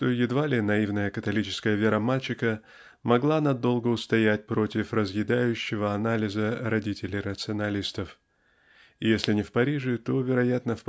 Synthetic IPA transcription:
ʂt̪o̞jɪd̪valʲɪnɐivnəjəkət̪ɐlʲit͡ɕɪ̥skəjəvʲeɾəmalʲt͡ɕɪkə | mɐɡlˠanɐd̪o̞lˠɡəʊst̪ɐjætʲpɾo̞tʲɪfrəzjɪd̪ajʉɕːɪvəɐnalʲɪzəɾɐdʲitʲɪlʲɪjɾət̪sɨɐnɐlʲist̪əf | ɪjesʲlʲɪnʲɪfpɐɾʲiʐɨt̪o̞vʲɪɾɐjat̪nəf

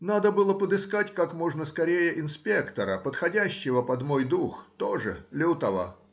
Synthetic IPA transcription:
nad̪əbɨlˠəpəd̪ɨskatʲkakmo̞ʐnəskɐɾʲejəʔɪnspʲe̞kt̪əɾəpət̪xɐdʲæɕːɪvəpɐd̪mo̞jd̪uxt̪oʐɨ̰lʲɪt̪ɐvə̰

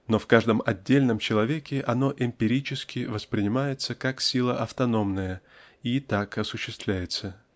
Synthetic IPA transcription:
no̞fkaʐd̪əmɐdʲːelʲnəmt͡ɕɪlˠɐvʲekʲɪʔɐno̞ʔɪmʲpʲɪɾʲit͡ɕɪskʲɪvəspɾʲɪnʲɪmajɪt̪səkaksʲilˠəʔɐft̪ɐno̞mnəjə | it̪akɐsʊɕːɪst̪vlʲæjɪt̪sə

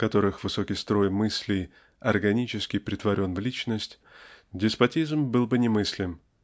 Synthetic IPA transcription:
kɐt̪o̞ɾɨxvɨso̞kʲɪjst̪ɾo̞jmɨsʲlʲɪj | ɐrɡɐnʲit͡ɕɪskʲɪjpɾʲɪt̪vɐɾʲo̞nvlʲit͡ɕnəsʲtʲ | dʲɪspɐtʲizmbɨlˠbɨnʲɪmɨsʲlʲɪm

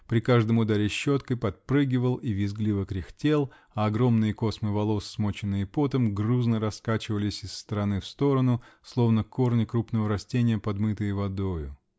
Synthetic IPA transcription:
pɾʲɪkaʐd̪əmʊd̪aɾʲɪɕːot̪kəjpɐt̪̚pɾɨɡʲɪvəlˠivʲɪzɡlʲivəkɾʲɪxtʲe̞lˠ | ɐɐɡɾo̞mnɨjəko̞smɨvɐlˠo̞sːmot͡ɕɪnːɨjɪpot̪əmɡruznəɾɐskat͡ɕɪvəlʲɪsʲɪsːt̪əɾɐnɨfst̪o̞ɾənʊslˠo̞vnəkʰo̞rnʲɪkɾupnəvəɾɐsʲtʲenʲɪjəpɐd̪mɨt̪ɨjəvɐd̪o̞jʊ

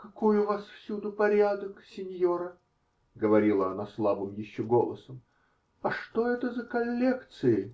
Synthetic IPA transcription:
kɐkojʊvasfsʲud̪ʊpɐɾʲad̪əksʲɪnʲjo̞ɾə | ɡəvɐɾʲilˠəɐnaslˠabɨmjɪɕːoɡolˠəsəm | ɐʂt̪o̞ɛt̪əzəkɐlʲːekt̪sɨjɪ

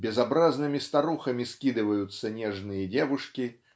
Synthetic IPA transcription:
bʲɛzabɾaznɨmʲist̪aɾuxɐmʲiskʲid̪ɨvɐjut̪sːɐnʲɛʐnɨjɐd͡zʲɛvuʂkʲi

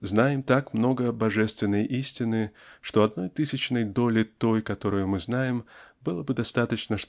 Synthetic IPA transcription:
znajɪmt̪akmno̞ɡəbɐʐɛst̪vʲɪnːəjʔisʲtʲɪnɨʂt̪o̞ɐd̪no̞jt̪ɨsʲɪt͡ɕnəjd̪o̞lʲɪt̪o̞jkɐt̪o̞ɾʊjʊmɨznajɪmbɨlˠəbɨd̪ɐst̪at̪ət͡ɕnəʂ

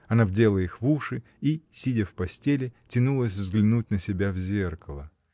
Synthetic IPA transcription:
ɐnavdʲelˠəixvuʂɨ | isʲidʲəfpɐsʲtʲelʲɪtʲɪnulˠəsʲvzɡlʲɪnut̚ʲnəsʲɪbʲavzʲerkəlˠə

